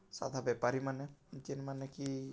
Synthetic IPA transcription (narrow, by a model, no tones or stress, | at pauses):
sa̰d̪ʱabɛpaɾimanɛt͡ʃinmanɛki